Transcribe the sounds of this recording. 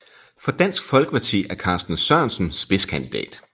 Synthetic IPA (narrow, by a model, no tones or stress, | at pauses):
fɒ̽d̥æn̰sɡ̥fɒ̽lɡ̥əpʰɑ̈t͡sʰḭːæɐkʰɑ̈ːsd̥n̩sɶɐnsn̩sb̥e̝skʰænd̥id̥ɛ̰ːd̥